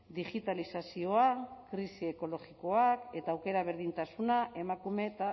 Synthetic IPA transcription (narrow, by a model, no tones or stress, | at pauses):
d̪iʝit̪alisasio̞akɾisie̞ko̞lo̞ɣiko̞ake̞t̪aːwke̞ɾaβe̞ɾðint̪asunaʔe̞makume̞t̪a